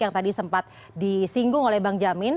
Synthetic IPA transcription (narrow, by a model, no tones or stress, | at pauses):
kjaŋt̪adisəmpat̪̚ | disiŋɡʊŋolɛhbaŋd͡ʒamɪn